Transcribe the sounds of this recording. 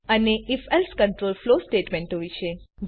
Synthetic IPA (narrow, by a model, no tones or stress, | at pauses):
əneifɛlskəɳʈɾolflosʈeʈmẽɳʈɦojt͡ʃʰed͡ʒ